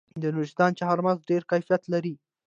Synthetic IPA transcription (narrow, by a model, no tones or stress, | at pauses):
d̪ənʊʒd̪ɑnt͡ʃaɦaɾmazɖeɾkajfijat̪laɾi